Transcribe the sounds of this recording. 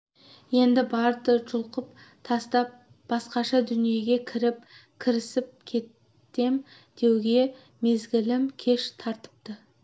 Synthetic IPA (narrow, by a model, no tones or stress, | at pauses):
je̞nd̪ɪbɑɾt̪əʒʊlˠqəp | t̪ʰɑst̪ɑp̚ | b̥ɑsqɑʃɑd̪ʏnije̞ɡʲe̞kʲʰɪɾɪp̚kʲʰɪɾɪsɪp̚kʲʰe̞t̪ː | e̞m | d̪̥e̞wɡʲe̞ | me̞zɡʲɪlɪmkʲʰe̞ʃt̪ʰɑɾt̪ə̥p̚t̪ə